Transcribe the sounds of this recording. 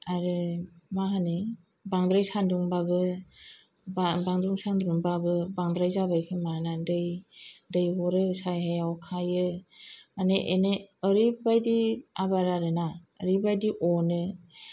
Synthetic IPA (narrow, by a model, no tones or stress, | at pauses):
aɾɯmaɦanɯ | baŋdɾajsanduŋbaɡɯ | babaŋdɾuŋsandɾuŋbaɡɯbaŋdɾajzabajkʰɯmanadɯjdɯjɦɔɾɯsajɦajawkʰajɯmaneʔeneəɾibajdiabaɾaɾɯnaə̰ɾibajdiʔɔnɯ